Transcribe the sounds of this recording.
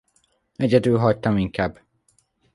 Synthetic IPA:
ɛɟɛd̪ylɦɒct̪ɒmiŋkaːb

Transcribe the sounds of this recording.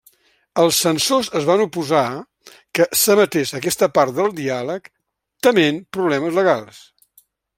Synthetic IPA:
əlˠsːənsozəzβanupuza | kəsəmət̪eʃəkɛst̪əpaɾt̪̚d̪əlˠd̪ialək | t̪əmenpɾuβlɛməzləɣalˠs

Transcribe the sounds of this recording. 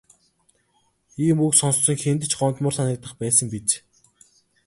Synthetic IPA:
iːmuksɔnssɞ̆ŋxent̪ɘ̆t͡ɕɢɔnt̪mʊːrsanə̆k̚t̪ə̆χpæːsə̆ŋpit͡ɕ

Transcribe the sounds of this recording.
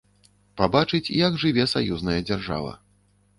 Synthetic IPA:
pabat͡ʂɨt͡sʲjaɡʐɨvʲɛsajuznɐjɐd͡zʲarʐa̰vɐ̰

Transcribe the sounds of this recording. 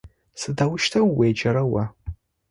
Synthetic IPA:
sɨdawʊʃtʰɐwːejd͡ʒɐɾɐwa

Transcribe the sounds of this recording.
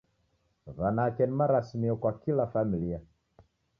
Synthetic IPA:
βanakɛnimaɾasmiɔkwakilafamilia

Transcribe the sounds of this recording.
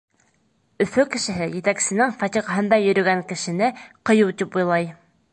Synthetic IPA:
ɵ̆fɵkɘ̆ʃɘ̆ɦɘjɘ̆t̪æksɘ̆nɘŋfɑt̪iʁɑɦɤ̆nd̪ɑjɵ̆ɾɵ̆ɡæŋkɘ̆ʃɘ̆nɘqɤ̆jɤwt̪ipujlˠɑj

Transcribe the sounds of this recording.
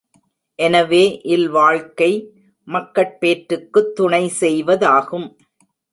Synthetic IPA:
ʔɛnɐʋeːʔɪlʋaːɻkɐɪ | mɐkːɐʈ̚peːʈɾɯkːɯt̪ːʊɳɐɪsɛjʋɐðaːɣɯm

